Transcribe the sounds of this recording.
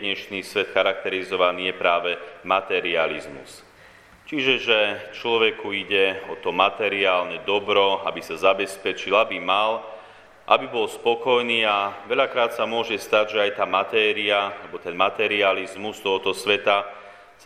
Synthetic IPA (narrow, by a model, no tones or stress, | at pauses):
ɲɛʃniːsʋɛt̪xaɾak̚t̪ɛɾizɔʋaniːjɛpɾaːʋɛmat̪ɛɾializmṵs | t͡ʃiʒɛʒɛt͡ʃlɔʋɛkuiɟɛɔt̪ɔmat̪ɛɾiaːlɲɛd̪ɔbɾɔa̰bisazabɛspɛt͡ʃilabimal | ʔabibɔlspɔkɔjniːaʋɛʎakɾaːt̪samʊɔʒɛst̪aɟʒɛajt̪aːmat̪ɛːɾiaalɛbɔt̪ɛnmat̪ɛɾializmust̪ɔɦɔt̪ɔsʋɛt̪a | s